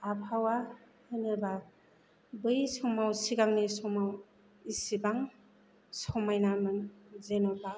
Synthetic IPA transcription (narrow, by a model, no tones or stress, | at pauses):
apʰawa | hɯnɯba | bɯjsɔŋmawsiɡaŋnisɔŋmaw | isibaŋ | sɔmajnamɯnzenɯba